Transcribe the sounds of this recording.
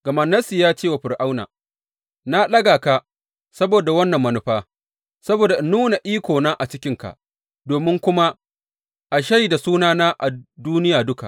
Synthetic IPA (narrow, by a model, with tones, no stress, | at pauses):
ɡ̥ɐ˨mɐ˨nːɐ˦si˨jaː˦t͡ʃeː˦wa˨ɸɪ˨ɾʔa˦wna̰˨ | na˦lɐ˦ɡaː˨ka˦ | sɐ˦boː˨da˨wɐ˦nːɐ˨mːɐ˨nʊ˦ɸaː˦ | sɐ˦boː˨da˨ʔnuː˦na˨ʔiː˦kʷoː˨naː˦ʔa˨t͡ʃɪ˦kʲɪ˦ŋka̰˨ʔ | doː˨mɪ˦ŋkʷʊ˦ma˦ | ʔa˨ʃa˦jda˨suː˦naː˦naː˦ʔa̰˨duː˦nɪ˦jaː˨dʊ˦ka̰˨